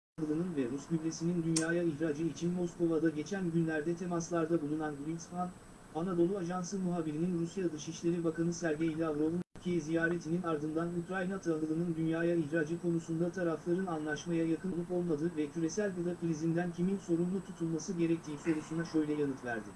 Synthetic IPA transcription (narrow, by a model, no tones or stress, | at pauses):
ɦɯlˠɯnɯnvɛɾusbyblʲesinind̪ynjaːjaiçɾaːd͡ʒɯit͡ʃʰinmo̞sko̞vad̪aɟe̞t͡ʃʰænɟynlʲæɾd̪ɛt̪ʰe̞maslˠaɾd̪abulˠunanɡɾinsfan | anad̪o̞lˠuaʒansɯmuɦaːbiɾininɾusjad̪ɯʃiʃlʲe̞ɾibakanɯsæɾɟejilʲɛavɾo̞lunʰycʰejɛzijaːɾe̞t̪ʰininaɾd̪ɯnd̪anukɾajnat̪ʰaɦɯlˠɯnɯnd̪ynjaːjaiçɾaːd͡ʒɯkʰo̞nusund̪at̪ʰaɾaflˠaɾɯnanlˠaʃmajajakɯnlˠupo̞lˠmad̪ɯvɛcʰyɾe̞sælʲkad̪akilʲizind̪æncʰiminso̞ɾunlˠut̪ʰut̪ʰulˠmasɯɟe̞ɾɛc̚t̪ʰiːso̞ɾusunaʃø̞jlʲɛjanɯt̪væ̰ɾd̪ɪ